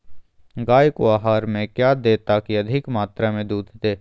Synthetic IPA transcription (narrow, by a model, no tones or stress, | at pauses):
ɡaːjkoaːɦaːɾmẽkjaːd̪eːt̪akiɐd̪ʱɪkmaːt̪ɾamẽd̪uːd̪ʱt̪eː